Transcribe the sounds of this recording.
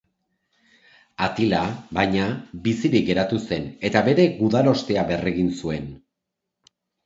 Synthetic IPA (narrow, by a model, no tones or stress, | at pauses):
at̪ilabajɲabisiɾik̚ɡe̞ɾat̪use̞ne̞t̪aβe̞ɾe̞ɣuðalo̞st̪e̞aβe̞re̞ɣinsue̞n